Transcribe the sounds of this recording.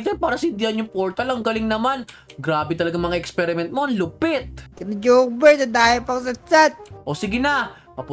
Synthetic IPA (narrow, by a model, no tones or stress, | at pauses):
t̪ɛɾpaːɾɐsɐɪnd̪ɪhɐnjʊŋpoːɾt̪alɐŋɡɐlɪŋnɐmanɡɾaːbɛt̪ɐlɐɡaŋmɐŋaʔɛkspɛɾɪmɛnt̪̚moʔɐŋlʊpɪt̪̚kɪnɐd͡ʒoːbɛɹsɐd̪aːhɪlpɐŋs̬ɐsat̪̚ʔosɪɡɪna | pɐpʊ